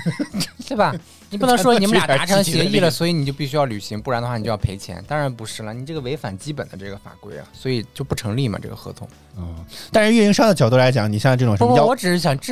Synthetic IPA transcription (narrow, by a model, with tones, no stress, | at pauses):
we˥˩bɐ˩ | ni˨˩p̬u˥˩ɤ˧˥˧ŋʂwɔ˥n˥i˨˩m˥˨˩a˥ʈ͡ʂʰɤ˥˧˥ŋɕɛ˧˥i˥˩lə˩swɔ˧˥i˧˥ni˨˩t͡ɕo˥˧ʊp̬i˥˩ɕ̬y˥jɑ˥˩ly˨˩ɕi˧˥ŋpu˥˩ɻnd̪ə˧xwa˥˩i˨˩t͡ɕo˥˧jpʰe˧˥ɪt͡ɕʰjɛ̰˧˥nt̪ɑ˥ŋɻa˧˥npu˧˥ʂɻ̩˥˩lə˩ni˨˩ʈ͡ʂɤ˥˩ɡə˩we˧˥ɪfa̰˨˩nt͡ɕi˥pə˨˩nd̪ə̰˦ʈ͡ʂɤ˥˩ɡə˩fa̰˨˩kwḛ˥˩ɪɐ̰˩swɔ˧˥i˨˩t͡ɕjo˥˧pu˥˩ʈ͡ʂʰɤ˧˥ŋli˥˩mɐ̰˩ʈ͡ʂɤ̰˥˩ɡə˩xɤ̰˧˥t̪ʰʊ̰˧˥ŋ˥˧ | t̪a˥nʂ̩˥˧ɥɛ˥˩i˥ŋʂɑ˥ŋd̪ə˩t͡ɕjɑ˨˩ʊt̪u˥˩la˧˥ɪt͡ɕjɑ˨˧˦ŋi˨˩ɕjt͡sʈ͡ʂɤ˥˩ʈ͡ʂʊ˨˩˧wɔ˧˥ʈ͡ʂɻ̩˨˩ʂɻ̩˥˩ɕ̬jɑ˨˩ŋʈ͡ʂ